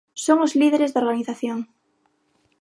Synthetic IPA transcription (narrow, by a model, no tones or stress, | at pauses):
soŋozliðeɾezðoɾɣaniθaθjoŋ